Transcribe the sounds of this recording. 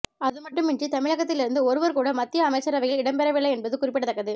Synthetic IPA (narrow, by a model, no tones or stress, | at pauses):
ɐðɯmɐʈːɯmɪɳd͡ʒrit̪ɐmɪɭɐɣɐt̪ːɪlɪɾɯnd̪ɯɔɾɯʋɐɾkuːɽɐmɐt̪ːɪjɐːmɐɪt͡ʃːɐɾɐʋɐɪjɪlɪɽɐmpɛɾɐʋɪɭːɐɪɛnbɐðɯkʊrɪpːɪʈɽɐt̪ːɐkːɐðɯ